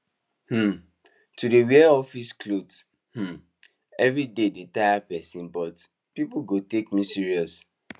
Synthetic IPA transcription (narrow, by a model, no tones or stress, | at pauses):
hm̩ | tudeweɔfisklod | hm̩ | ɛvɹidedetaapɛsĩnbɔt | pipuɡotekmisiɹiɔs